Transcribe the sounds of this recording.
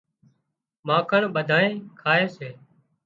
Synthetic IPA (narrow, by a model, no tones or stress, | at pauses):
mãːkʰəɳɓəd̪ʱaːẽːkʰaːeːseː